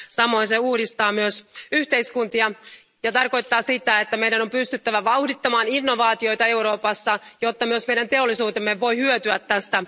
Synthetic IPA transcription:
sɑmo̞nseuːdist̪ɑːmyøsyht̪e̞iskunt̪iɑ | jɑt̪ɑrko̞jt̪ːɑːsit̪æet̪ːæmeijdæno̞mpyst̪yt̪ːæʋæʋɑuhdit̪ːɑmɑːninːo̞ʋɑːt̪io̞jt̪ɑe̞uɾo̞ːpɑsːɑjo̞t̪ːɑmyøsmejdænt̪e̞olːisuːt̪emːeʋo̞jhyøt̪yæt̪ːæst̪æ

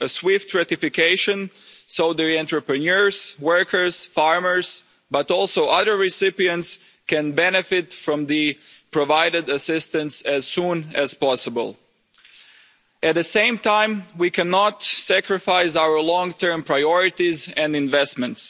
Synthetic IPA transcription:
əswɪftɹɛtɪfɪkʰeɪʃɨ̃nsoʊðə˞ɛ̃ntɹəpɹɨnəɹz̥wɜ˞kʰə˞z̥fɑɹmə˞z̥ | bʌtɔlˠsoʊʔʌðə˞ɹɪsɪpiɨ̃nts | kɛ̃nbɛnɨfɪtfɹʌ̃mðɨpʰɹɔvaɪɾɨdəsɪstə̃nsæz̥sũːnæz̥pɑsəbə̰lˠ | ɨt̪̚ðɨsẽɪ̃mtʰãɪ̃mwikʰɛnɑtsækɹɨfaɪs̬aʊə˞lɔ̃ŋtʰɜ̃˞mpʰɹ̥aɪɔɹɪtizɛ̃ndɪ̃nvɛstmɨ̃nts

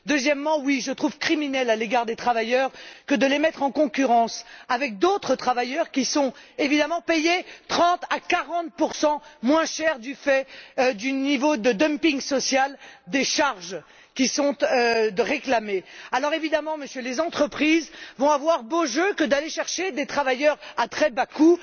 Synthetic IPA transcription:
d̪øzjɛmːɑ̃wiʒət̪χuvkχiminɛlaleɡaʁd̪et̪χavajœʁkəd̪əlemɛt̪χɑ̃kɔ̃kʲyʁɑ̃savɛk̚d̪ot̪χət̪χavajœʁkʲisɔ̃evid̪amɑ̃pejet̪χɑ̃t̪akaʁɑ̃t̪̚puʁsɑ̃mwɛ̃ʃɛʁd̪yfɛd̪ynivod̪əd̪əmpiŋsɔsjald̪eʃaʁʒ | kʲisɔ̃t̪əʁeklamealɔʁevid̪amɑ̃məsjølezɑ̃t̪χəpχizvɔ̃avwaʁboʒøkəd̪aleʃɛʁʃed̪et̪χavajœʁat̪χɛbaku

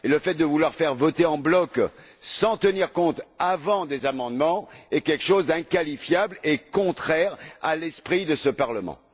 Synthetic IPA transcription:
eləfɛt̪̚d̪əvulwaʁfɛʁvɔt̪eɑ̃blɔk | sɑ̃t̪əniʁkɔ̃t̪avɑ̃d̪ezamɑ̃d̪mɑ̃ɛkʲɛlkʃozd̪ɛ̃kalifjablekɔ̃t̪χɛʁa̰lɛspχid̪əsəpaʁləmɑ̰̃

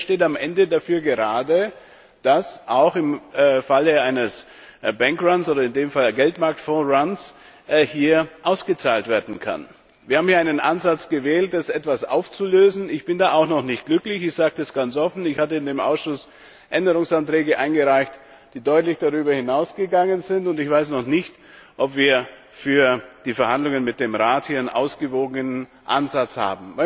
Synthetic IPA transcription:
ʃteːtamʔɛndədafyːɐɡəʁaːdə | d̥asʔaʊxɪmfaləaɪnəs | bɛŋkʁansʔoːdɐɪndeːmfalɡɛltmaɐk̚tfɔ̃ːʁans | hiːɐʔaʊsɡ̥ət͡saːltv̥eːɐdn̩kʰa̰n | viːɐaːbm̩hiːɐaɪnənʔa̰nzat͡sɡ̥əvɛːlt̚d̥asʔɛtv̥asʔa̰ʊft͡suløːzn̩ɪçb̥ɪndaːaʊxnɔχnɪçt̚ɡ̥lʏklɪçɪçz̥aːɡ̚təɛsɡ̥ant͡sʔɔfn̩ɪçhaːtəɪndeːmʔa̰ʊsʃʊs | ʔɛndəʁʊŋsantʁ̥ɛːɡəʔaɪnɡəʁaɪçt | d̥iːdɔʏtlɪçd̥aʁyːbɐhɪnaʊsɡ̥əɡaŋənzɪntʊntɪçv̥aɪsnɔχnɪçt | ʔɔpv̥iːɐ | fyːɐd̥iːfɛɐhandlʊŋənmɪt̚d̥eːmʁaːthiːɪnʔa̰ʊsɡ̥əvoːɡənən | ʔa̰nzat͡sha̰ːbm̩vaɪ

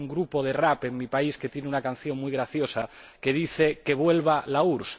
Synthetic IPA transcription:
ŋɡɾupo̞ð̞erape̞ŋmipaisket̪je̞neunakan̟θjo̞ŋmujɣ̞ɾaθjo̞sa | ke̞ðiθeke̞β̞we̞lβ̞alauɾs

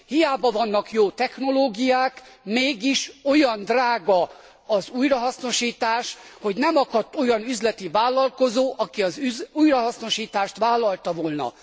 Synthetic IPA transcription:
hijaːbɒvɒnːɒkjoːt̪ɛxno̞loːɡijaːkmeːɡiʃo̞jɒnd̪raːɡɒ | ɒzuːjrɒɦɒsno̞ʃiːt̪aːʃho̞ɟnɛmɒkɒt̪ːo̞jɒnyzlɛt̪ivaːlːɒlko̞zoːʔɒkiɒzyzuːjrɒɦɒsno̞ʃiːt̪aːʃt̪ʋaːlːɒlt̪ɒvoːlnɒ̰

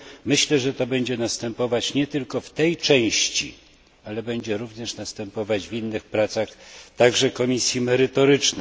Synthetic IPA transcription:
mɘɕlɛʐɛt̪ɔbɛɲd͡ʑɛnast̪ɛmpɔvat͡ɕɲɛt̪ɘlkɔft̪ɛjt͡ʂɛ̃w̃ɕt͡ɕḭ | alɛbɛɲd͡ʑɛɾuvɲɛʂnast̪ɛmpɔvad͡ʑvinːɘxpɾat̪saxt̪aɡʐɛkɔmʲisʲjimɛɾɘt̪ɔɾɘt͡ʂnɛ

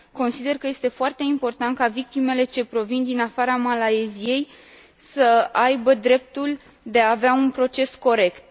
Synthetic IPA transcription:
ko̞nsid̪e̞rkəje̞st̪e̞foart̪e̞impo̞rt̪ant̪̚kavik̚t̪ime̞le̞t͡ʃe̞pɾo̞vind̪inafaɾamalaezije̞j | səajbəd̪ɾe̞p̚t̪ul | d̪e̞aːveaunpɾo̞t͡ʃe̞sko̞ɾe̞kt̪̚

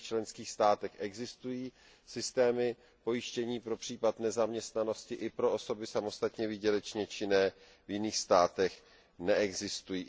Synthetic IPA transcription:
t͡ʃlɛnskiːxst̪aːt̪ɛxʔɛɡzɪst̪ujiː | sɪst̪ɛːmɪ | po̞jɪʃcɛɲiːpɾo̞pr̝̥iːpat̪nɛzamɲɛst̪nano̞scɪʔɪpɾo̞ʔoso̞bɪsamo̞st̪at̪ɲɛvɪɟɛlɛt͡ʃɲɛt͡ʃɪnɛː | vjɪniːxst̪aːt̪ɛx | nɛʔɛɡzɪst̪ujiː

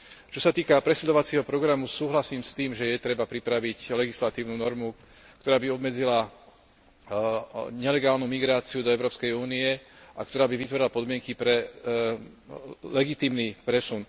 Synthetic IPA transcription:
t͡ʃɔsat̪iːkapɾɛsud̪ɔʋat͡siːɦɔpɾɔɡɾamusuːɦlasiːmst̪iːmʒɛjɛt̪ɾɛbapɾipɾaʋiclɛɡislat̪iːʊnuːnɔɾmu | kt̪ɔɾaːbiɔbmɛd͡zila | ɲɛlɛɡaːlnumiɡɾaːt͡siud̪ɔɛʊɾɔːpskɛjuːniɛʔakt̪ɔɾaːbiʋit̪ʋɔɾilapɔd̪mɪɛŋkipɾɛ | lɛɡit̪iːmniːpɾɛsun

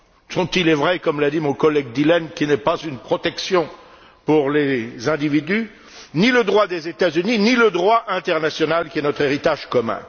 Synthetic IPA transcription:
sɔ̃t̪ilɛvʁɛkɔmlad̪imɔ̃kɔlɛɡ̚d̪ilɛnkʲinɛpazynpχɔt̪ɛksjɔ̃ | puʁlezɛ̃d̪ivid̪y | niləd̪ʁwad̪ezet̪azyniniləd̪ʁwaʔɛ̃t̪ɛʁnasjɔnalkʲiɛnɔt̪χeʁit̪aʒkɔmɛ̰̃

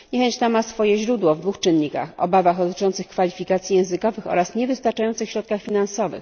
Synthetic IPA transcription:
ɲɛxɛɲt͡ɕt̪amasfɔjɛʑɾud̪wɔvd̪vuxt͡ʂɘnːika̰xɔ̰bavaɣd̪ɔt̪ɘ̥t͡ʂɔnt̪sɘxkfalʲifʲikat̪sʲjijɛ̃w̃zɘkɔvɘxɔ̰ɾasɲɛvɘst̪aɾt͡ʂajɔ̃nt̪sɘxɕɾɔt̪̚kaxfʲinansɔvɘ̰x

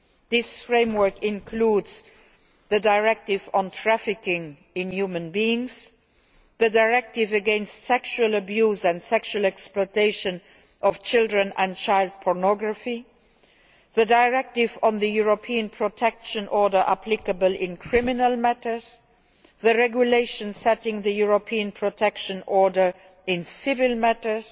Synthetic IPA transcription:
ðɪsfɹẽɪ̃mwɜ˞kɪ̃nkʰluːdz̥ | ðədaɪɹɛk̚tɪvə̃ntʰɹæfɪkɪ̃ŋ | ɪ̃njuːmə̃nbiɪ̃ŋz̥ | ðədaɪɹɛk̚tɪvəɡɛ̃nstsɛkʃuələbjuːzə̃ndsɛkʃuəlɛksplɔɪtʰeɪʃə̃n | ʔɔft͡ʃʰɪldɹə̃nə̃nt͡ʃʰaɪlˠd̚pʰɔɹnɔɡɹəfi | ðədaɪɹɛk̚tɪvə̃nðəjuɹopʰiə̃npʰɹ̥otʰɛkʃə̃nʔɔɹdə˞ʔaplɪkəbəlɪ̃nkʰɹ̥ɪmɪnəlˠmætə˞z̥ | ðəɹɛɡjuleɪʃə̃nsɛtɪ̃ŋðəjuɹopʰiə̃npʰɹ̥otʰɛkʃə̃nɔɹdə˞ | ɪ̃nsɪvɪlmætə˞z̥

